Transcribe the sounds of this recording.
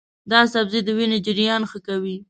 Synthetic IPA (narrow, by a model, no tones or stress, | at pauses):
d̪ɑsabzid̪əwined͡ʒɪɾjɑnxəkawi